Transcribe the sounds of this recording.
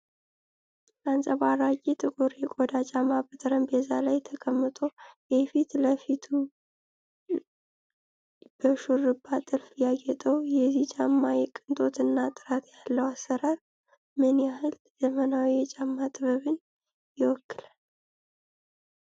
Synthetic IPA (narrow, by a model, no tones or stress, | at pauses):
lansʼəβaɾad͡ʒʼit̪ʰɨɡoɾekʼod̪at͡ʃʼamabɨt̪ʼɾəmbɛzalajt̪ʰəkʼəmːɨt̪ʼojɛfit̪ləfit̪ʰu | b̥əʃuɾɨbːat̪ʼɨlfjaɡɛt̪ʼəwjɛzit͡ʃʼamːajɛkʼɨnt̪ʼo̞t̪ɨnːat̪ʼɨɾat̪ʰjalːəwasːəɾaɾ | mɨnjahɨl | z̥əmənawijɛt͡ʃʼamːat̪ʼɨβəβɨn | jɪwɔkʰːɨlə